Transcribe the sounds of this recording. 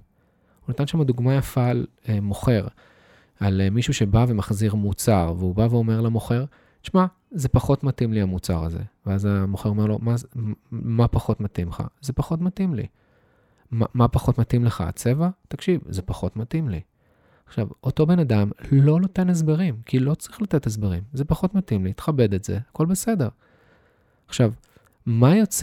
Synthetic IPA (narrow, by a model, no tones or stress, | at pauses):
hunat̪anʃamad̪uɡmajafalemo̞χe̞ʁ | almiʃuʃe̞bave̞maχziʁmut͡saʁveubaveo̞me̞ʁlamoχe̞ʁ | ʃma | zepaχo̞t̪matimliamut͡sa̰ʁaze̞̰veazamoχeʁo̞me̞ʁlo̞̰ma | mapaχo̞t̪matimχa̰zepaχo̞tmatimlḭ | mamapaχo̞tmatimleχa̰a̰t͡se̞vat̪akʃivzepaχo̞t̪matimlḭ | aχʃavo̞to̞be̞nadamlo̞note̞nez̬beʁimkʰilo̞t͡sʁiχlatet̪ez̬beʁimzepaχo̞t̪matimlit̪e̥χabe̞d̪e̞tzḛhako̞lbese̞de̞ʁ | aχʃav | majot͡s